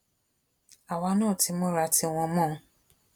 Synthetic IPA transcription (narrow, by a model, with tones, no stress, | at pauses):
a˨wa˧nãː˦˨ti˨˦mɔ̃˦ɾa˧ti˧w̃ɔ̃˧mɔ̃˦˨˦